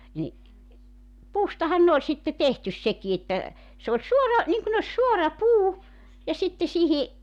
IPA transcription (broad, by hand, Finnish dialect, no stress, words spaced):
ni puːstɑhɑn ne olʲ sitːe tehtys seki etːæ se olʲ suorɑ niŋkun osʲ suorɑ puː jɑ sitːe sihi